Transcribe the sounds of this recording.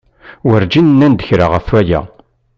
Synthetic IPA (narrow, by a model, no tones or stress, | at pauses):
wəɾd͡ʒinnːænd̪əçɾaʁəfæjæ̰